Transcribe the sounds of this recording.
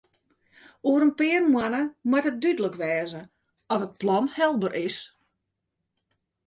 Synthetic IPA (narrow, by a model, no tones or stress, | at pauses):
uəɾənpɪərmwanəmwatɦət̚dydələkʋɛːzə | ɔtət̚plɔnhɛlˠbərʔɪs